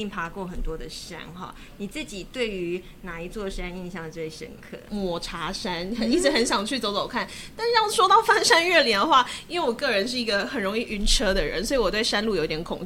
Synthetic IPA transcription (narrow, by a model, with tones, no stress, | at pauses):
i˥˧˩ŋpʰa˥kwɔ˥˩xə˨˩nt̪wɔ˥d̪ə˨ʂa̰˥nxɔ̰˨˩ | ni˨˩t͡sɹ̩˥˩t͡ɕi˨˩t̪we˥˩ɪy˧˥ | na˨˩i˧˥t͡swɔ˥˩ʂa˥ni˥˧nɕjɑ˥˩ŋd̪ə˩t͡swe˥˩ʂə̰˥nkʰɤ̰˥˩mwɔ˧˥ʈ͡ʂʰa˧˥ʂa˥nə˨i˥˩ɻ̩˧˥xə˧˦˥nɕjɑ˨˩ŋt͡ɕʰy˥˩t͡so˧˥ʊt͡so˨˩ʊkʰa˥˩nt̪a˥˧nʂ̩˥ɑ˥˩ŋ˨˩ʂwɔ˥t̪ɑ˥˩ʊfa˥˩nʂa˥nɥɛ˥˩ljɛ˧˥nd̪ə˧xwa˥˩i˥nwe˥˩ɪwɔ˨˩kɤ˥˩ɻə˧˦nʂɻ̩˥˩i˧˥ɡə˨xə˨˩nɻʊ˧˥ŋi˥˩ʔy˧˥nʈ͡ʂʰɤ˥d̪ə˨ɻə̰˦nswɔ˧˥i˧˨wɔ˨˩t̪we˥˩ɪʂa˥nlu˥˩jo˨˩˦i˥t̪jʲɛ˧˦nkʰʊ̰˨˩ŋ